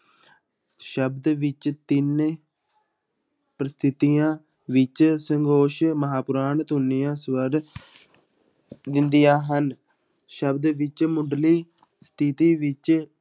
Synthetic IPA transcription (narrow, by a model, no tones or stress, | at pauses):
ʃəbd̪ʋɪt͡ʃt̪ɪn | pɾəst̪ʰɪt̪ijãː | ʋɪt͡ʃsəŋɡoːʃməɦaːpʊɾaːnt̪ʊnːijãːsʋəɾ | d̪ɪnd̪ijãːɦən | ʃəbd̪ʋɪt͡ʃmʊɖliː | st̪ʰɪt̪iːʋɪt͡ʃ